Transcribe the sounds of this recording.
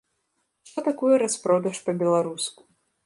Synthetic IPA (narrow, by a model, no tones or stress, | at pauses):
t̪ɔt̪akujɐɾaspɾɔd̪ɐʂpɐbʲɛlˠaɾusku̥